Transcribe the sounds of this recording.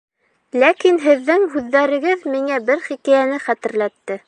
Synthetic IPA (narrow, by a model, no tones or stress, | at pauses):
lækinɦɘ̆ðːɘŋɦʉðːæɾɘ̆ɡɘðmiŋæbɘɾχikæjænɘχæt̪ɘ̆ɾlæt̪ːɘ